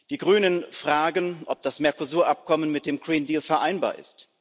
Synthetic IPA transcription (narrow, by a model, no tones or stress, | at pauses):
d̥iːɡʁyːnənfʁ̥aːɡənʔɔp̚d̥asmɛɐkozuːɐʔap̚kʰɔmənmɪt̚d̥eːmɡ̥ʁiːndiːlfɛɐʔaɪnba̰ːɐʔɪ̰st